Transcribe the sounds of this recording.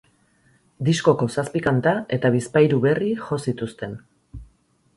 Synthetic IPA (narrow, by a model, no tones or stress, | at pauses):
d̪isko̞ko̞saspikant̪ae̞t̪aβispajɾuβe̞rixo̞sit̪ust̪e̞n